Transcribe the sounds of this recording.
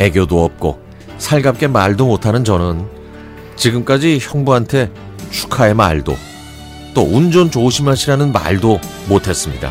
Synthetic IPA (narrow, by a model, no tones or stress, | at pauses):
e̞ɡjodoʌp̚k͈o̰ | sʰaɭɡap̚k͈e̞maɭdomotʰanɯnt͡ɕʌnɯn | t͡ɕiɡɯmk͈ad͡ʑiçjʌŋbuɦantʰe̞ | t͡ɕʰu̥kʰae̞ma̰ɭdo̰ | t͈ound͡ʑont͡ɕouɕʰimaɕʰiɾanɯnma̰ɭdomotʰe̞s͈ɯmɲida̰